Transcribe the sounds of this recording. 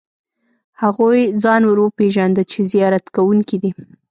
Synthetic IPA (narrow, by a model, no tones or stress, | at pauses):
haɣojd͡zɑnwəɾwopeʒand̪ət͡ʃezijɑɾat̪kawuŋkid̪i